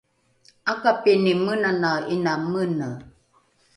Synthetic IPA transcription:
akapinimənanainamənə

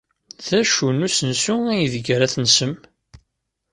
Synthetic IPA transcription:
ðæʃunusənsuæjðəɡɾæθnsəm

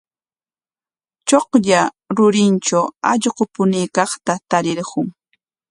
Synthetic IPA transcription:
t͡ʃoqʎa | ɾʊɾɪnt͡ʃawɑʎɢopʊniːkɑχt̪at̪aɾɪɾɢʊŋ

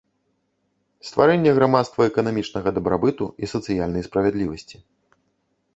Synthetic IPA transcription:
st̪va̰ɾɛnʲːɛɣɾamat̪st̪vɐɛkɐnamʲit͡ʂnɐɣɐd̪ɐbɾabɨt̪uisɐt̪sɨjalʲnɐjspɾɐvʲɛd̪lʲivɐsʲt͡sʲi

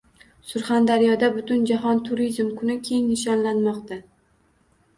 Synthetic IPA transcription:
sʊɾχand̪aɾijɒd̪abʊt̪ʊnd͡ʒaɦɒnt̪ʰʊɾizmkʰʊnɪkʲʰe̞ŋnɪʃ̬ɒnlanmɒqt̪a

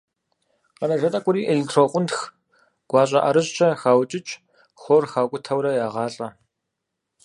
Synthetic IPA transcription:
qɐnɐʒɐtʼɐkʷʼʊɾiːʔeɮɪtʰroqʷʊntx | ɡ̥ʷɑːɕʼɐʔɐɾɨɕt͡ʃʰɐxaːwt͡ʃʼɪt͡ʃʼ | xʷorxaːkʷʼʊtʰɐwɾɐjaːʁɑːɬʼɐ

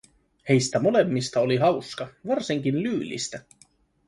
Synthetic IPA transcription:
he̞jst̪æmo̞le̞mːist̪ɑoliɦɑwskɑʋɑrsiŋk̟inlyːlːḭst̪æ

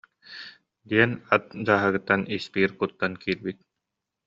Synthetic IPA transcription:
d̪iɛnat̪̚d͡ʑaːɦɯɡɯt̪ːanispiːɾkut̪ːankiːɾbit̪̚

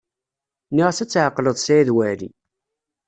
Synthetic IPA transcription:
niʁæsæt͡sːʕəqːləðˤsæiðwælḭ

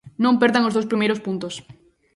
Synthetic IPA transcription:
nõmpeɾðaŋozðowspɾimejɾospunt̪os

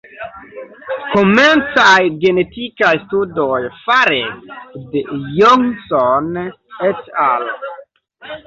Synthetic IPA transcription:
koment͡sajɡe̞netikajstudojfaɾedejɔŋson | etal

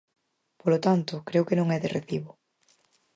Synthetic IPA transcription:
polot̪ant̪ʊkɾewkenõŋɛðɪreθiβʊ

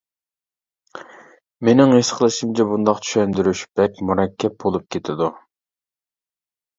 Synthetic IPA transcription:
menɪŋesqʰəlˠɨʃimt͡ʃʰɛbund̪ɑqt͡ʃʰy̥ʃɛnd̪yɾyʃb̥ɛkʲmuɾɑkʲʰːɛp̚bolˠup̚kʲʰet̪ʰɪd̪u

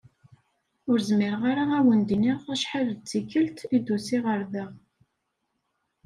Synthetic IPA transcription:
ʊɾzmɪɾəʁaɾaæwənd̪iniʁæʃħalt͡sːikːəlt̪id̪usiʁəɾðəʁ

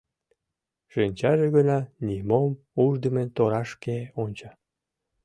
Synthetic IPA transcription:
ʒ̥enʲt͡ɕɑʒeɣənɑnimom | uʒd̪əment̪oɾɑʃkeonʲt͡ɕɑ

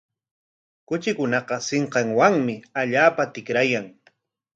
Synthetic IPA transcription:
kʊt͡ʃɪkʊnɑqɑsɪɴqɑŋwaŋmɪaʎaːpat̪ɪkɾajaŋ

